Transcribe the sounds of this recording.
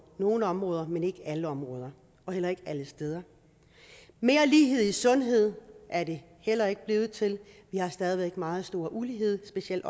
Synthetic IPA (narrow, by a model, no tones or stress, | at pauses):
no̝ːlnɒ̽mʁɔ̽ːðˠɐmene̝ɡ̥əæləɒ̽mʁɔ̽ːð̞ˠɐ | ɒ̽hel̰ɐe̝ɡ̥æləsd̥eð̞ˠɐ | me̝ːɐliːɦe̝ð̞̰ˠisɔ̽nɦe̝ð̞̰ˠʔæɐde̝ | hel̰ɐe̝ɡ̥̚b̥le̝ːð̞̩ˠt͡sʰe̝lʋihɑ̈sd̥ɛːð̞ˠiʋeɡ̥mɑ̈ːð̞̩ˠsd̥o̝ːɐʔuliɦe̝ð̰ˠsb̥e̝siel̰d̥